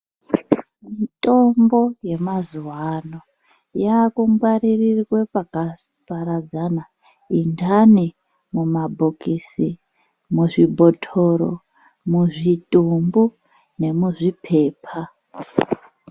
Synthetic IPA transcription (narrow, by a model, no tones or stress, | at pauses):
mitʼo̞mbo̞je̞mazuwaano | jakumɡwariririkwe̞pakasipaɾad͡zana | indani | mumabʱokisi | muʐibʱo̞tʰoɾo̰ | muʐitʼumbu | ne̞muʐipʰe̞ːpʰa